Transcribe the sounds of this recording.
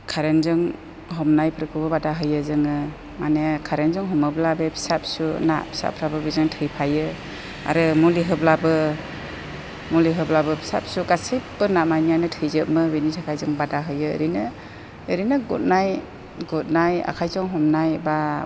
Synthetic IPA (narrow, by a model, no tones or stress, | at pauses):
kʰaɾenzɯŋ | ɦɔmnajpʰɾɯkʰɯbɯbadaɦɯjɯzɯŋɯ | manekʰaɾenzɔŋɦɔmɯblabepʰi̥sap̚suna̰ʔpʰi̥sa̰pʰɾabɯbizɯŋtʰɯjpʰajɯ | a̰ɾɯmuliɦɯblabɯ | muliɦɯblabɯpʰi̥sa̰p̚suɡasip̚bɯnamajnijanɯtʰɯjzɯʔ̚mɯbinitʰakʰajzɯŋbadaɦɯjɯ̰ɾinɯː | ɾinɯɡut̚naj | ɡut̚naja̰kʰajzɔŋɦɔmnajba